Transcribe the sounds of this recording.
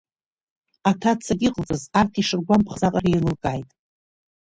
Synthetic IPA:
atʰat͡sʰaɡʲɪqʼəlt͡sʼɨzartʰiʂɨrɡʷampʰχzaqʼarilɨlkʼajtʼ

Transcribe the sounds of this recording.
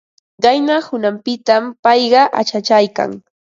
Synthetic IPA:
ɢajnahʊnampɪt̪ampɑjɢɑʔa̰t͡ʃat͡ʃajka̰ŋ

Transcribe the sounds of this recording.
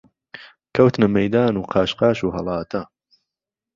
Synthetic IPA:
kʰɐwt̪nɐmɐjd̪aːnuːqʰaːʃqɑːʃuːɦɐ̰lˠɑːt̪ʰɐ

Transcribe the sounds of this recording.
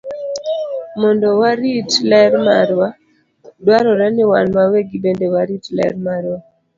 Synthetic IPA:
mɔndɔwaɾitlɛɾmaɾwa | dwaɾɔɾanɪwanmaweɡibendewaɾitlɛ̰ɾmaɾwa

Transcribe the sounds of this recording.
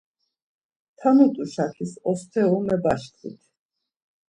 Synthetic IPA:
t̪ʰanut̪ʼuʃakʰisɔst̪ʰɛɔmɛbaʃkʰlḭt̪ʰ

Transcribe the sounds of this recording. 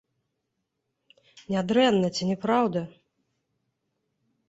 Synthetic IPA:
nʲad̪ɾɛnːɐt͡sʲinʲɛpɾawd̪ɐ

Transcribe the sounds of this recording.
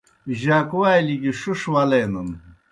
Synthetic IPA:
ʑakuwajliɡiʂuʂwalenɐn

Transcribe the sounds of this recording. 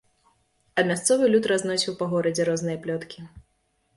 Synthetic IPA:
ɐmʲast̪sɔvɨlʲut̪ɾaznɔsʲiwpaɣɔɾɐd͡zʲɛɾɔznɨjɐplʲɔt̪kʲi

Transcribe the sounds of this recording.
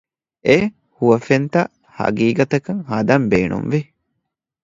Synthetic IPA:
ʔe | huʋɐfent̪ɐ | hɐ̰ɡiːɡɐt̪ɐkɐŋhɐd̪ɐmbeːnṵmʋi

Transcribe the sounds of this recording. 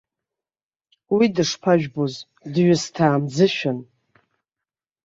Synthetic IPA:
widɨʂpʰaʒᶣboz | dɥɪstʰaːmd͡zɨʃᶣan

